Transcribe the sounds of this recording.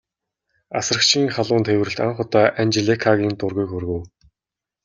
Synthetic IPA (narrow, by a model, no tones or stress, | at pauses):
asrə̆kt͡ɕʰiːŋχaɮʊːnt̪ʰewɘ̆rɘ̆ɬt̪a̰ɴχʊt̪aːʔant͡ɕeɮekʰaɣʲiːnt̪ʊrɣujkxɵrɣɵ̆w